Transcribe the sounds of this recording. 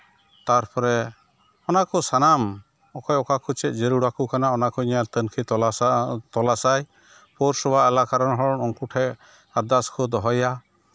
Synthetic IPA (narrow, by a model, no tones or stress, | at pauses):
t̪aɾpɔɾɛ | ɔnakɔsanam | ɔkɔjɔkakʰut͡ʃɛt̪̚ˀd͡ʒeɾuɽakukanaɔnakɔiɲat̪ənkʰi | t̪ɔlasaj | pɔɾsɔbʱaɛlakaɾɔnɦɔɽɔnɔŋkuʈʰɛ | aɾd̪askʰɔd̪ɔɦɔja